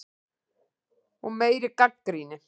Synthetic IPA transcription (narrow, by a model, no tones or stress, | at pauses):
umejɾɪkakːɾinɪ